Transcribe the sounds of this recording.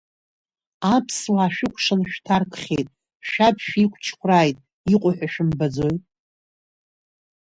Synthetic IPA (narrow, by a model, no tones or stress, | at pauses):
apʰswaːʃᶣɪkʷʼʰʂanʃᶣtʰarkʰʼχʲejtʼ | ʃᶣapʰʃᶣikʷʰt͡ʃʰkʷʰraːjtʼ | iqʷʼʊħᶣaʃᶣɪmbad͡zo̞jtʼ